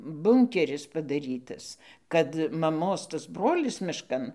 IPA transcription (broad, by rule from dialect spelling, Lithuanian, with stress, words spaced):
ˈbʊŋʲkʲɛrʲɪs pɐdɐˈrʲiːtɐs kɐt mɐˈmoːs tɐs ˈbroːlʲɪs mʲɪʃˈkɐn